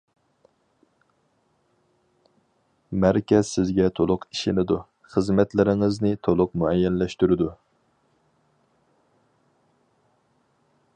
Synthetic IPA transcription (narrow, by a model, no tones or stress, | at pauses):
mæɾkʲɛz̥sɪzɡʲɛt̪ʰolˠʊqiʃɪnɪd̪u | χəzmɛt̪lɪɾɪŋɨznɪt̪ʰolˠʊqmuɛjːɛnlɛʃt̪yɾɪd̪u